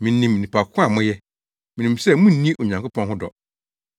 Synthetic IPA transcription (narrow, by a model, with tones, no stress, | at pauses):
mĩ˨˦nĩ˨m˨nĩ˨pʰa˨kʰʊ˦a˦˨mʊ̃˦jɛ˦ | mĩ˨nĩ˨msɛ˦mũ˦nĩ˦ʔo˨ɲã˨ŋko˦pʰɔ̃˦nɦʊ̃˦dɔ̰˨